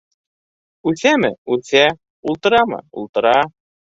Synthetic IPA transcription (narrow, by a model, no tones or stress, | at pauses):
ʉθæmɘ̰ʉθæ | ulˠt̪ɤ̆ɾɑmɤ̰ṵlˠt̪ɤ̆ɾɑ